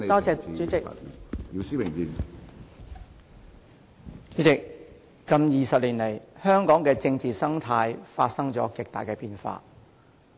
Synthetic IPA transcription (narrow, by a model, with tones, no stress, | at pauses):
t̪ɔː˥t͡sɛː˧t͡ʃyː˨˦t͡sɪ˨kji˧wsiː˥mɪ˨˩ŋjiː˨˧n | t͡ʃyː˨˥t͡sɪ˨k̚ː | ɐ˧mjiː˨˩sɐ˨p̚liː˨˩nle˨˩jhœː˥ŋkɔː˨˥ŋkɛː˧t͡sɪ˧ŋt͡siː˨sɐ˥ŋt̪ʰaː˧jfaː˧t̚sɐ˥ŋt͡sɔ̰ː˨˥kɪ˨k̚t̪a̰ː˨˩jkɛː˧piː˧nfa̰ː˧